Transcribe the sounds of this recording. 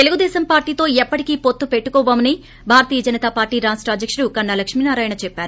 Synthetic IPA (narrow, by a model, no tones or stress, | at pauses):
t̪e̞luɡud̪ɛːsɐmpaːɾʈiːt̪o̞ːɛpːɐʈikiːpot̪ːupe̞ʈːukɔːʋaːmɐni | bʱaːɾɐt̪iːjɐd͡ʒɐnɐt̪aːpaːɾʈiːɾaːsʈɐːd̪jɐkʂuɽukɐɳːalɐkʂminaːɾaːjnɐt͡ʃɛpːaːɾu